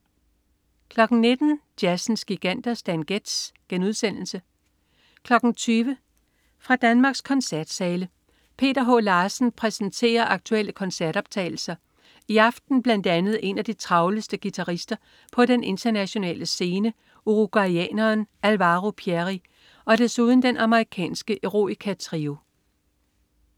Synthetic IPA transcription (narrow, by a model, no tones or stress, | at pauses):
kʰlɒ̽ɡ̥n̩ne̝d̥n̩d̥jæsn̩sɡ̥iɡ̥æn̰d̥ɐsd̥ænɡ̥ed̥sɡ̥enuð̞ˠsen̰l̩sə | kʰlɒ̽ɡ̥n̩t͡sʰyːʋə | fʁɑ̈d̥ænmɑ̈ːɡ̥skʰɒ̽nsæɐd̥sɛːlə | pʰe̝̰ːd̥ɐɦo̰ːlɑ̈ːsn̩pʰʁɛsn̩t͡sʰe̝̰ːɐʔɑ̈ɡ̥̚t͡sʰuel̰əkʰɒ̽nsæɐɾ̥ɒ̽b̥̚t͡sʰɛ̰ːɪl̩sɐ | iɑ̈fd̥n̩b̥læn̰d̥ænð̞̩ˠʔe̝næd̥it͡sʰʁɑ̈ʊləsd̥əɡ̥it͡sʰɑ̈ʁisd̥ɐ | pʰɒ̽ɾenʔe̝nt͡sʰɐnæɕo̝nɛ̰ːləse̝ːnə | ʔuʁuɡ̥wɑiɛ̰ːnɐːnælʋɑːʁopʰieʁi | ɒ̽desuð̞ˠn̩d̥enʔɑ̈məʁikʰɛ̰ːnsɡ̥əʔeʁo̝̰ikʰæt͡sʰʁiːʊ